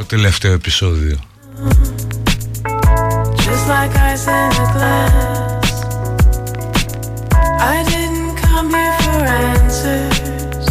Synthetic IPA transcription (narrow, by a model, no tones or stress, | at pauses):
ot̪eleft̪e̞oepiso̞ðio | d͡ʒʌstˡlaɪkaɪsɛ̃nəɡlæ | s | aɪdɪdⁿn̩kʰʌ̃mɨfə˞ɛ̃nsɨ | z̥